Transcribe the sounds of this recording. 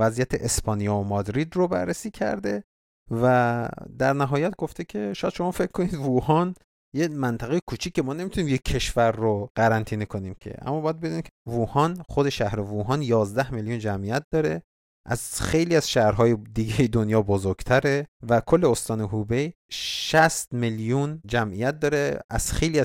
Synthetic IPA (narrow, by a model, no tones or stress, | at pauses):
væzijæt̪ʰeʔespɒːnijɒːomɒd̪ɾid̪robæ̰ɾːesiːcʰæ̰ɾd̪e̞ | væd̪æɾnæɦɒːjæt̪ɡo̞ft̪ʰecʲʰe̞ʃɔjæd̪ʃo̞mɒːfe̞kʰːoniːd̪vuhɒːn | jemænt̪ʰæɣejekʰut͡ʃʰiːcʰːe̞mɒːne̞mit̪uniːmjee̞ʃvæɾːoɢæɾænt̪ʰiːnekʰo̞niːmcʰe̞̰ʔæ̰mːɒːbɒjæd̪be̞d̪unimcʰevuːhɒːnχod̪e̞ʃæhɾe̞vuːɦɒːnjɒːzd̪æhmeljund͡ʒæmʔijæt̪̚d̪ɒːɾe̞ | ʔæ̰z̥xe̞jliːæz̥ʃæhɾɦɒːjed̪iɡejed̪onjɒːbozoɾɡ̥t̪ʰæɾevækʰolːeost̪ɒːneɦube̞j | ʃæst̪meljund͡ʒæmʔijæt̪̚d̪ɒːɾeʔæ̰z̥xe̞jliːæ